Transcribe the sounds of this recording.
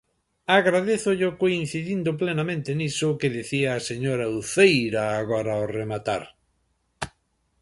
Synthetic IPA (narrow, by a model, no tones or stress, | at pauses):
aɣɾaðeθʊʎʊkoin̟θiðind̪ʊplenamẽnt̪enisʊkeðeθiaːseɲoɾauθejɾaːɣɔɾaoremat̪a̰ɾ